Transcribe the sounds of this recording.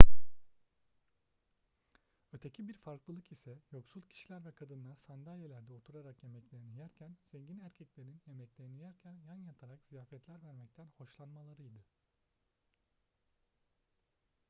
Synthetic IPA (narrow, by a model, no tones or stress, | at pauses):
ø̞t̪ʰecʰibiɾfaɾklˠɯlˠɯkisɛjo̞ksulˠcʰi̥ʃilʲæɾvɛkʰad̪ɯnlˠaɾsand̪alʲjelʲæɾd̪ɛot̪ʰuɾaɾakje̞mɛclʲe̞ɾinijæɾcʰænz̥ɛɲɟinæɾcʰɛclʲe̞ɾinlje̞mɛclʲe̞ɾinijæɾcʰænjanjat̪ʰaɾakz̥ijaːfɛt̪lʲæɾvæɾmɛc̚t̪ʰænho̞ʃlˠanmalˠaɾɯjd̪ɯ